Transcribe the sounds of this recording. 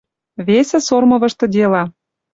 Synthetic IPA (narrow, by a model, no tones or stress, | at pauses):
βesĕsormɤ̆βɤ̆ʃt̪ɤ̆d̪ʲelɑ